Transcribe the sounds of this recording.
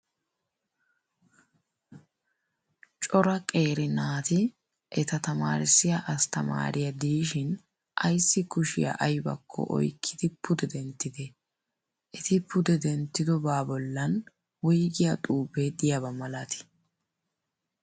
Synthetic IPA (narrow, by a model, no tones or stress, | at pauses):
t͡ʃʼɔɾɐkʼeːɾɪnaːt̪ɪ | ʔɛt̪ɐt̪ɐma̰ːɾɪsːɪjaʔɐst̪ɐma̰ːɾʔɪjɐd̪iːʃɪn | ʔɐjsːɪkʊʃɪ̰jɐ̰ʔɐjbɐ̰kʰːɔ̰ʔɔ̰jkʰːɪd̪ɪpʰʊd̪ɛd̪ɛnt̪ːɪd̪ɛ | ʔɛt̪ɪpʊd̪ɛd̪ɛnt̪ːɪd̪ɔbaːbɔlːɐn | wɔjɡɪjat̪ʼuːbed̪ɪjabɐmɐlat̪ɪ̥